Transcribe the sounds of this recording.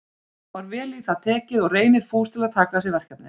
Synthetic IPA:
vaɾvɛːliθaðt̪ʰɛːcɪðɔɣreːjnɪɾ̥fuːst̪ʰɪlaðt̪ʰaːkas̬ɪvɛr̥kapnɪ̰

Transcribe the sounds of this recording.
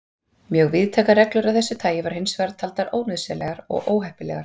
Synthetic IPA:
mjœɣvɪðt̪ʰɛːkarɛklʏɾaðθɛsːɪt̪ʰaːjɪvaɾ̥hɪnsvɛɾt̪ʰːalt̪aɾʔoːwnʏðsɛlɛɣaɾɔ̰ɣʔoːwɦɛhpɪlɛ̰ɣaɾ̥

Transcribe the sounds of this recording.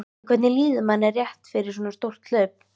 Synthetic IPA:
kʰvɛt̪nɪliːðʏmanːɛrjɛht̪fɪɾɪɾ̥s̬ɔnast̪owr̥t̪l̥œɥp̚

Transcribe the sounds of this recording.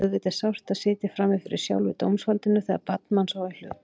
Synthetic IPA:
ɛðvɪt̪ɛsawr̥t̪aðsɪːt̪ɪfɾamɪfɪɾɪ̰̥sja̰wlvɪ̰t̪o̰wmsfalt̪ɪnʏθɛɣða̰ɾpat̪̚nmansawɪl̥ʏ̰

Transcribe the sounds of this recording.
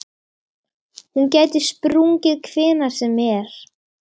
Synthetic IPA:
huncɛːjt̪ɪ̥spɾuŋcɪðkʰvɪːnḁsɛmɛɾ̥

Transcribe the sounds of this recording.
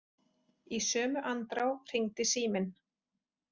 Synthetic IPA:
isœːmʏʔant̪ɾawr̥iŋt̪ɪsiːmɪn

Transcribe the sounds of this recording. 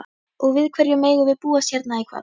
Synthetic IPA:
ɔɣvɪðkʰvɛɾjʏmeːjɣʏvɪðpuːasjɛɾt̪naikʰva̰

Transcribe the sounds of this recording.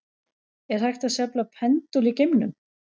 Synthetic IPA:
ɛɾ̥ajxt̪aðsjaplapʰɛnt̪ulicɪmnʏm

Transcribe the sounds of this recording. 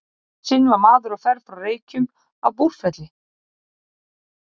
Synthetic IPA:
sɪnvaɾmaːðʏɾaɣfɛɾfɾawreːjcʏm | a̰wpuɾ̥fɛt̪lɪ

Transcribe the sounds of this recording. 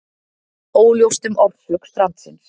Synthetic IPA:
oːwljowst̪ʏmʔɔɾ̥fʏkθɾant̪sɪns

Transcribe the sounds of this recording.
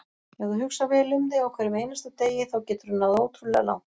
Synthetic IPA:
jɛɣðuɦʏksavɛːlɪʏmtɪawkʰvɛːɾɪmejnast̪ʏt̪eːjɪθawcɛːt̪ʏɾʏnːaðowt̪ʰɾʏlɛɣa̰la̰wn

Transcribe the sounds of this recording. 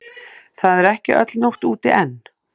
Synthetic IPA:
θaðɛɾɛhcɪʔœ̰t̪lnowht̪uːt̪ɪʔɛnː

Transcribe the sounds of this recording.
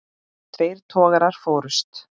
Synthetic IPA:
θʰɾeːjɾ̥t̪ʰɔːɣaɾaɾ̥fɔːɾʏst̪

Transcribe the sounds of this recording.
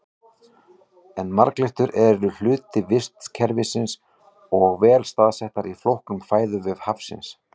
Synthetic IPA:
ɛnma̰ɾklɪht̪ʏɾʔɛɾʏl̥ʏːt̪ɪvɪst̪cʰɛɾvɪsɪns | ɔɣvɛːlst̪aːðsɛht̪aɾiflowhknʏmʰfaːjðʏvɛðhafsɪ̰ns

